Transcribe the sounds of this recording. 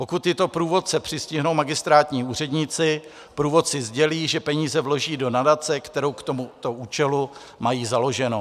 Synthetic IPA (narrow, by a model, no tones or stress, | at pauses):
po̞kut̪ːɪt̪o̞pɾuːvo̞t̪̚t͡sɛpr̝̥ɪscɪɦno̞wmaɡɪst̪ɾaːt̪ɲiːuːr̝ɛdɲɪt͡sɪ | pɾuːvo̞t̪sɪzɟɛliːʒɛpɛɲiːzɛvlo̞ʒiːdo̞nadat͡sɛkt̪ɛɾo̞wkt̪o̞mut̪o̞uːt͡ʃɛlu | majiːzalo̞ʒɛno̞